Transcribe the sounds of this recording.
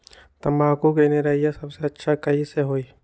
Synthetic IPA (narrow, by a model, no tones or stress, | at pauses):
t̪ɐmbaːkukeneɾɐːijasɐbseɐtːʃʰakɐɦiseɦoːiː